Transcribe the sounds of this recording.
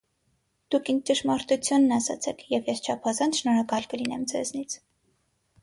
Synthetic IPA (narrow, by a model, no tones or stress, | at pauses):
d̪̥ukʰin̚t͡ʃəʃmɑɾt̪ut͡sʰjunːɑsɑ̰t͡sʰɛkʰjɛvjɛst͡ʃʰɑpʰɑzɑnt͡sʃnɔɾɑkɑlkəlinɛmd͡zɛ̰znit͡sʰ